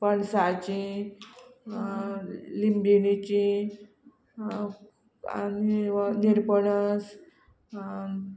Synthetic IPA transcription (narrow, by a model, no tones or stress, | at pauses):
pəɳsat͡ɕi | limbinit͡ɕi | a̰niniɾpəɳəs